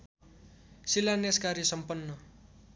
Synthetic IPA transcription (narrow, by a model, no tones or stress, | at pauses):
silaneskarjʌsʌmpʌnːʌ